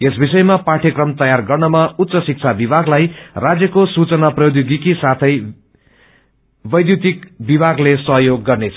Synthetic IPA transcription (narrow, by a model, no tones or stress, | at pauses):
esbisʌjmapaʈʰjʌkrʌmt̪ʌjarɡʌrnʌmaut̪ːsʌsik̚t͡sʰabibʱaɡlajrad͡zjʌkosut͡sʌnaprʌjod̪juɡikisat̪ʰʌj | bʌjd̪jut̪ikbibʱaɡlesʌɦjoɡːʌrnet͡sʰʌ̥